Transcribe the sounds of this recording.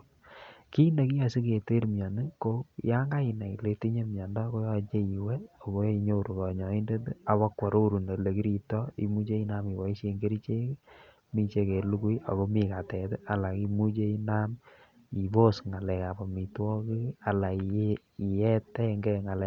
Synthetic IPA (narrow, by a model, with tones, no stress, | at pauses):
ki˦ne˨ki˦ja˨si˦ke˨te˦ɾmja˨nɨ˦ko˦ja˦ŋɡa˦ɪ˨na˨i˨le˦te˦ɲe˦mjɔ˨nda˦ko˦jɔ˦t͡ʃe˦i˨we˦o˨ko˦i˧ɲo˦˨ɾu˨kɔ˨ɲɔ˨i˦nde˦ta˨βa˦kwɔ˨ɾo˦ɾu˨nde˨le˨ki˦ɾi˨tɔ˦ḭ˨mu˦t͡ʃe˦i˦na˦mi˨wa˨i˦ʃe˨˧ŋɡe˦ɾi˦t͡ʃe˦k | mi˦t͡ʃe˧ke˨lu˦ku˦ja̰˨ko˦mi˨ka˨tɛ˨ta˨la˨ki˧mu˦t͡ʃe˦i˦na˦m | i˨bo˦sŋa˨lɛ˨ka˨bɔ˨mi˨twɔ˦ki˦a˨la˨ | i˨jɛ˦tɛ˦ŋɡɛ˦ŋa˨lɛ˨